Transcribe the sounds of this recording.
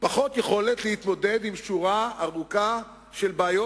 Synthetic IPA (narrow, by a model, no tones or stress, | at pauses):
paχo̞t̪jeχo̞le̞t̪lehit̪mo̞d̪e̞d̪imʃuʁaaʁuka | ʃe̞lbaːjo